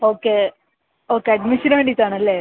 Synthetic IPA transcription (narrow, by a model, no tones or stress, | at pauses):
oːkːe | oːkːeɐɖmiʃɐnʋeːɳɖit̪ːaːɳɐlːeː